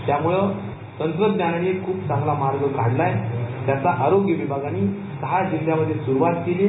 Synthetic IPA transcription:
t̪jamuɭə | t̪ənt̪ɾəd̪nananiekʰuːpt͡sãŋɡlamaɾɡəkaɽlajt̪jat͡saʔaɾoɡjəʋibʱaɡaniː | səɦad͡ʑild̪jaməd̪ʱːjesuɾuʋat̪keliː

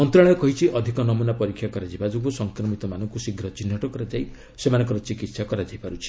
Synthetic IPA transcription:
ɔnt̪ɾaɭɔjɔkɔɦit͡ʃʰiʔɔd̪ʱikɔnɔmunapɔɾikʰjakɔɾad͡ʒibad͡ʒɔɡusɔŋkɾɔmit̪ɔmanɔŋkusiɡɾɔt͡ʃinːɔʈɔkɔɾad͡ʒaj | semanɔ̃ŋkɔɾɔt͡ʃikit̪sakɔɾad͡ʒajpaɾut͡ʃʰi̥

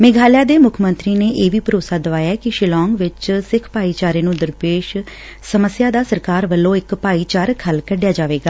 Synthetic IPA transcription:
meːɡʱaːljaːd̪eːmʊkʰmənt̪ɾiːneːʔeːʋiːpəɾoːsaːd̪əʋaːjaːkɪʃɪlɔːŋɡʋɪt͡ʃsɪkʰpaːiːt͡ʃaːɾeːnũːd̪əɾpeːʃ | səməsɪjaːd̪aːsəɾkaːɾʋəlːõːɪkpaːiːt͡ʃaːɾkʰəlkəɖɪjaːd͡ʒaːʋeːɡaː

